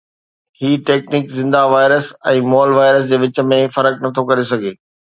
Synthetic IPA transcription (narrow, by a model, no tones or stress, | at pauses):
hiːʈeːkniːkzɪ̃nd̪aʋaːɪɾəsɛ̃ːmɔːlʋaːɪɾəs̬d͡ʑeːʋɪt͡ɕə̆mẽfɐɾəknɐt̪ʰokɐɾesɐɡʱeː